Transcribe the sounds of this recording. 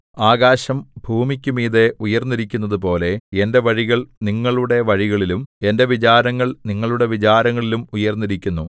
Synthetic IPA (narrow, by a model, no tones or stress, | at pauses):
aːɡaːɕɐmbʱuːmikʲːumiːðe̞ujɐrnːiɾikʲːunːɐðɨp̬o̞ːle̞ende̞ʋɐɻiɣɐɭniŋːɐɭuɽe̞ʋɐɻiɣɐɭilume̞nde̞ʋit͡ɕaːɾɐŋːɐɭniŋːɐɭuɽe̞ʋit͡ɕaːɾɐŋːɐɭilumujɐrnːiɾikʲːunːu